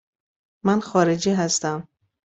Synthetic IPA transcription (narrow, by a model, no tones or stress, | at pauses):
manxɒːɾed͡ʒiːɦast̪æm